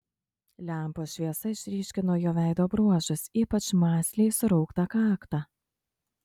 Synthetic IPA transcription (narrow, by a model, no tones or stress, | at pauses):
lʲæˑmpoːʃʲʋʲiɛsɐɪʃʲɾʲiːʃʲkʲɪnuɔːjoːʋʲæˑɪd̪oːbɾuɔʒʊsiːpɐt͡ʃmɑːsʲlʲeɪsʊɾɔʊkt̪ɑkɑːkt̪ɑ